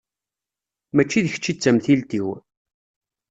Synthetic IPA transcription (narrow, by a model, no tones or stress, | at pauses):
mæt͡ʃːiðəçə̥t͡ʃːit͡sːæmθilt̪iw